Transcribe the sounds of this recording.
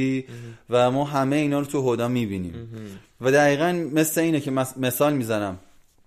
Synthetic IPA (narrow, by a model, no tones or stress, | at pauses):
iːvæmɒːɦæmejiːnɒːɾot̪ʰuɦod̪ɒːmiːbinḭːm | væd̪æɣiːɣænme̞sle̞iːnecʰemme̞sɒːlmiːzænæm